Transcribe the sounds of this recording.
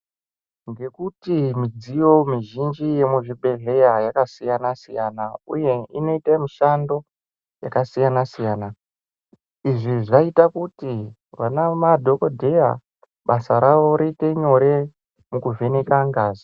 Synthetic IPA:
ŋɡe̞kutimid͡zijo̞miʒind͡ʒije̞muʐibʱe̞ɮe̞jajakasijanasijanaṵje̞ino̞itamiʃando̞ | jakasijanasijaːna | iʐiʐaitakuti | ʋanamadʱo̞kodʱe̞ja̰ | ɓasaɾaʋo̞ɾite̞ɲo̞ɾe̞ | mukuvʱe̞nekaŋɡaːzi

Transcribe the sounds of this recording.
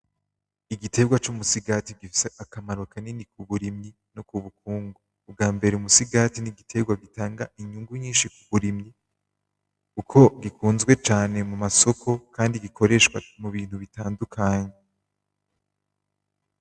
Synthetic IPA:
iɡitʰe̞ɡwat͡ʃumusiɡatiɡifi̥seʔakamaɾuakanenikuβuɾimɲi | nokuβukuːŋɡuːb̚ɡaːmbe̞ɾeumusiɡatiniɡitʰe̞ɡwaɡitaːŋɡaʔiɲuŋɡuɲiːnʃikuβuɾimɲi | ukʰo̞ɡikuːnzɡwet͡ʃaːne̞mumaso̞kʰo̞kaːndiɡikʰo̞ɾe̞ʃkwamuβiːn̥huβitaːndukʰaːɲe

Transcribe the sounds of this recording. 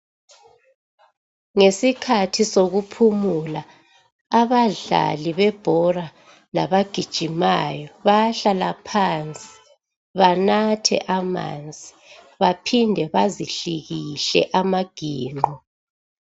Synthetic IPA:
ŋesikʰatʰisoɣupʰumulaː | βaɮa̰liβɛb̥ʱɔra | laβaɡ̥ʱid̥ʒ̥ʱimajɔβaɬalapʰant͡sʼi̥ | βanatʰɛ̰ʔama̰nd͡zʱi | βapʰindʱɛβaziɬiɣiɬɛ̰ʔamaɡ̥ʱiːŋ͡ǃʱɔ

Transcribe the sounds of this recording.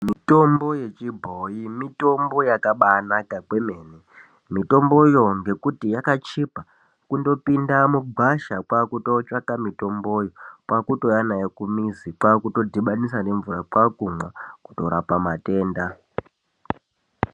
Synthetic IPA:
mito̞mbo̞je̞t͡ʃibʱojimito̞mbo̞jakaɓanakaɡwemeːne | mito̞mbo̞jo̞ŋɡe̞kutijakat͡ʃipa | kundo̞pindamuɡ͡bʱaʃakwakuto̞t͡ʃakamito̞mbojokwakuto̞janajekumizikwakuto̞dʱiɓanisane̞ɱvurakwakumwaku̥to̞ɾapamate̞ːnda

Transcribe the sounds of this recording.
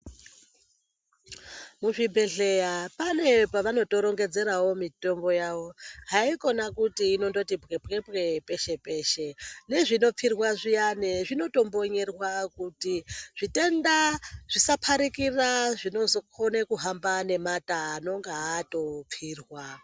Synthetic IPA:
muʐibʱe̞ɮejapane̞paʋano̞to̞ɾo̞ŋɡe̞d͡ze̞ɾawo̞mito̞mbo̞jaʋo̞ɦaiko̞nakutiːno̞ndo̞tibɣebɣe̞bɣe̞pe̞ʃe̞pe̞ːʃe̞ne̞ʐino̞p͡firwaʐijaneʐino̞to̞mbo̞ɲe̞rwakutiʐ̥ite̞ndaʐ̥isapʰaɾikiraʐino̞zo̞kʰonekuɦambane̞mataːno̞ŋɡaato̞p͡fiːrwa

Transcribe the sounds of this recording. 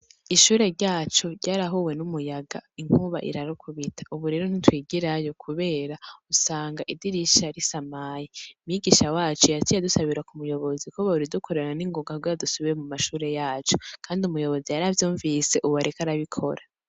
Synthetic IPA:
iʃuːɾe̞ɾɟaːt͡ʃo̞ɾɟaːɾaɦuwe̞numujaɡaiŋ̥huβa̰ʔḭɾaɾokʰuβitʰḁuβuɾe̞ːɾon̥itwiːɡiɾajo̞kʰuβe̞ːɾausaːŋɡaʔidiɾiʃaɾisamaːjeumɲiɡiʃawaːt͡ʃojatijadusaβiɾakumujo̞βo̞zikoβauɾidukʰo̞ɾeɾananiŋɡoɡaɡojadusuβiɾemumaʃuːɾe̞jaːt͡ʃokʰaːndiumujo̞βo̞zijaɾavjuːɱvise̞ʔuβaɾekaɾaβikʰo̞̰ɾa

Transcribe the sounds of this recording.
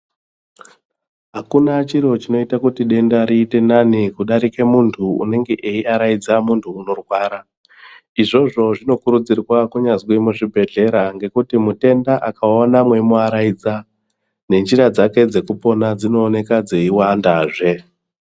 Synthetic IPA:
ɦakunat͡ʃiɾo̞t͡ʃino̞itakutiɗe̞ndaɾiːte̞nanikuɗaɾike̞muntʰṵːne̞ŋɡe̞ʔeiaɾaid͡zamuntʰuːno̞rwaːɾa | iʐo̞ʐo̞ʐino̞kuɾud͡zirwakuɲazwimuʐibʱe̞ɮe̞ɾaŋɡe̞kutimute̞ndaʔakaonamwe̞muaɾaid͡za | ne̞nd͡ʒiɾad͡zake̞d͡ze̞kupo̞nad͡zino̞ːne̞kad͡ze̞iwandaːʐe̞

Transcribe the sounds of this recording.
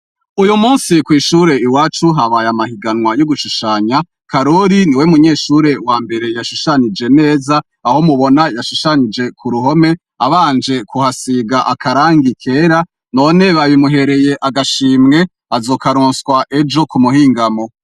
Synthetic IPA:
ujumuːnsikwiːʃuɾe̞iwaːt͡ʃuɦaβajamahiɡanŋwajoɡuʃuʃaːɲa | kʰaɾoɾiniwemuɲe̞ːʃuɾe̞waːmbe̞ɾe̞jaʃuʃaɲid͡ʒe̞ne̞ːzaː | ho̞muβo̞najaʃuʃaɲid͡ʒe̞kʰuɾuɦo̞me̞ | aβaːnd͡ʒe̞kuhasiɡaʔakʰaɾaːŋɡikʰe̞ːɾa | no̞ne̞βaβimuɦe̞ɾe̞je̞ʔaɡaʃiːmŋe̞ | azo̞ːkaɾuːnswaʔe̞d͡ʒo̞kumuɦiːŋɡamo̞

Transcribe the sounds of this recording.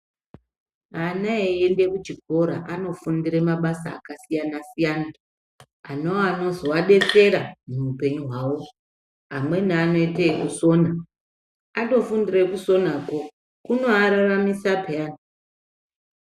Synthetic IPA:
anaeende̞kut͡ʃiko̞ɾaʔano̞fundiremaɓasa̰ːkasijanasijaːna | anoano̞zo̞waɗe̞t͡se̞ɾamuupe̞ɲuɦwawo̞ | ɦamwe̞naano̞itekuso̞ːna | ato̞fundirekuso̞nako̞ | kuno̞aɾaramisapeaːna

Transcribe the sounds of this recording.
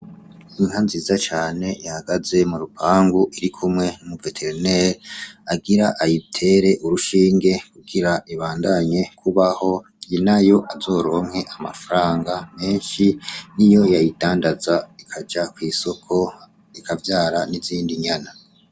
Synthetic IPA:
iŋhanziːzat͡ʃaːne̞jahaɡaze̞muɾupʰaːŋɡuʔiɾikʰumŋe̞numuvetʰeɾneɾaɡiɾaʔajitʰe̞ːɾe̞ʔuɾuʃiːŋɡe̞kuɡiɾaʔiβaːndaɲe̞kʰuβaho̞ | inajo̞ʔazo̞ːɾo̞ːŋ̥he̞ʔamafaɾaːŋɡame̞ːnʃinijo̞jajidaːndazaikʰad͡ʒakwiːso̞kʰo̞ | ikʰavjaːɾaniziːndiɲana

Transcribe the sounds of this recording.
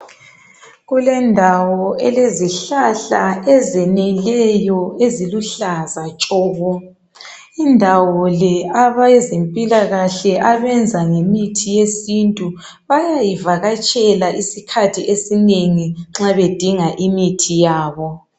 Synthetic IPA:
ɣulɛndʱawɔɛleziɬaɬaɛzenilɛjɔeziluɬazat͡ʃʼɔːɣɔ | indʱawɔlɛaβajɛzempʼilaɣaɬɛʔaβɛnd͡zʱaŋemitʰijesintʼu | βajajivaɣat͡ʃʼɛlaʔisikʰatʰiʔesineŋiŋ͡ǁaβed̥ʱiŋaʔimitʰijaːβɔ

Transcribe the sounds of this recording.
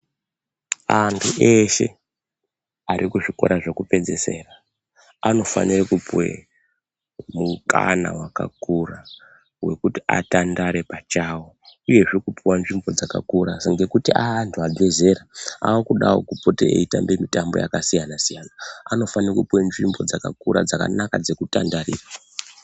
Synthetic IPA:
antʰuʔe̞ʃe̞̰ | aɾʔikuʐiko̞̰ɾaʐokupe̞nd͡ze̞se̞̰ːra | ano̞fa̰nirekupwḛ | muka̰na̰waka̰kura | we̞kutia̰tandaɾe̞pat͡ʃawo | uje̞ʐekupʰiwanʐimbo̞d͡zaka̰kuɾaŋɡe̞kutiʔaːntʰuabeze̞ɾaa̰wokuɗawo̰kupoteḛita̰mbe̞mitambo̞̰ja̰kasijanasijanaano̞fanirakupwenʐimbo̞d͡zaka̰kuɾa̰d͡zaka̰nakad͡ze̞kutandarḭːrwa

